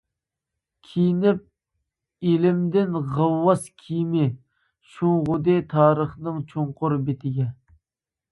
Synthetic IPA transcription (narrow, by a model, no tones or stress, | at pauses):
kʲʰijnɪp̚ | ilɪmd̪ɪnʁəlːɑskʲʰijmɪ | ʃuŋʁʊd̪ɨt̪ʰɑːɾəχnɨŋt͡ʃʰoɴqʰʊɾbet̪ʰɪɡʲɛ